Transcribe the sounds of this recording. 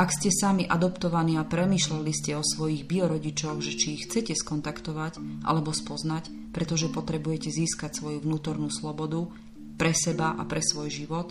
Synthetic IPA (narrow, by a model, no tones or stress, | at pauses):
akscɛsamiʔad̪ɔpt̪ɔʋaniːapɾɛmiːʃlaliscɛɔsʋɔjiɣbiɔɾɔɟit͡ʃɔɣʒɛt͡ʃiːxt͡sɛcɛskɔnt̪akt̪ɔʋacʔa̰lɛbɔspɔznac | pɾɛt̪ɔʒɛpɔt̪ɾɛbujɛcɛziːskacsʋɔjuʋnuːt̪ɔɾnuːslɔbɔd̪u | pɾɛsɛbaʔapɾɛsʋɔjʒiʋɔt̪